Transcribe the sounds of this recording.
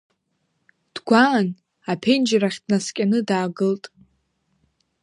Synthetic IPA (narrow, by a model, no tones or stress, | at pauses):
d̥ɡʷaːn | apʰend͡ʒraχʲd̥naskʲʼanɨdaːɡɨltʼ